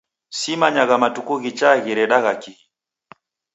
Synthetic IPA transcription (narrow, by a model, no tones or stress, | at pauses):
simaɲaɣamatukuɣit͡ʃaɣiɾɛɗaɣakiɣi